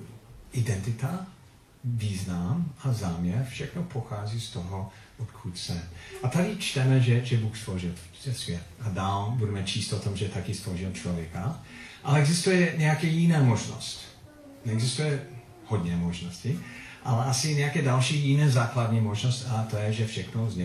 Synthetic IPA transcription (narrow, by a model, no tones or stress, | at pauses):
ʔɪdɛnt̪ɪt̪a | viːznamazaːmɲɛɾfʃɛxnopʰoxaːzist̪oɦɔ | ʔot̪kʰutsɛʔat̪adɪt͡ʃt̪ɛmɛʒɛʒɛbuːxstloʒɪlˠ | zɛsvjɛt̪adaːlbudɛmɛt͡ʃʰiːst̪ot̪ɔmʒɛt̪akɪstloʒɪlt͡ʃlovjɛkaʔalɛɛɡzɪst̪ujɛɲɛjakɛjɪnɛːmoʒno̰st | nɛɛɡzɪst̪ujɛ | hod̪ɲɛmoʒnosciʔalɛasɪɲɛjakɛːdalʃiːjɪnɛːzaːkladɲimoʒnostat̪ojɛʒɛfʃɛxnozɲɛ